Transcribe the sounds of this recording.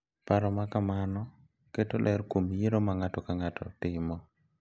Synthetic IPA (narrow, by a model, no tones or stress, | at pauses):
paɾɔmakamanɔ | ketolʔɛɾkomjeɾomaŋatɔkaŋatɔ̰tɪmɔ